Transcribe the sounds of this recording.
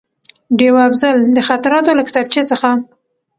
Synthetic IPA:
ɖewafzald̪əxat̪aɾɑt̪olakɪ̥t̪ab̚t͡ʃet͡səxa

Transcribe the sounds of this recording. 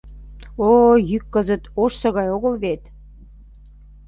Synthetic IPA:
ojykːəzə̆t̪oʃsə̆ɣɑjoɣəlβet̪

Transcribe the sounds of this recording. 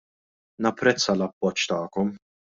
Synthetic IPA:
nɐpːɾɛt͡sːɐlɐpːɔt͡ʃːt̪ɐːkɔm

